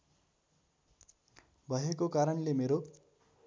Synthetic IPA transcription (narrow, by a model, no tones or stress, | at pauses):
bʱʌɦekokaɾʌnlemeɾo